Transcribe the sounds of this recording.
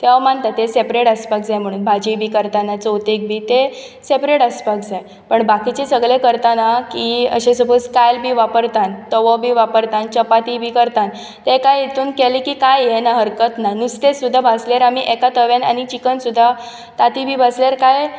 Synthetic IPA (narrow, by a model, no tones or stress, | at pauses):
t̪eʋamant̪at̪esepɾeʈəspakd͡zajm̤əɽ̃uːnbʱad͡ʑibʱiːkəɾt̪anat͡sowt̪ek̚bʱiːt̪e | sepɾeʈəspakd͡zaj | pəɳbakit͡ɕesəɡɭekəɾt̪anakiə̰ɕẽsəboskajlbʱiːʋapəɾt̪ãnt̪əʋɔbʱiːʋapəɾt̪ãnt͡ɕəpat̪ibʱiːkəɾt̪ãn | t̪ekajet̪uːnkɛlikikajɛnaɦəɾkət̪nanust̪esud̪ʱːabʱasleɾamiʔɛkat̪əʋjana̰nit͡ɕikənsud̪ʱːa | t̪at̪ibʱiːbʱaslaɾkaj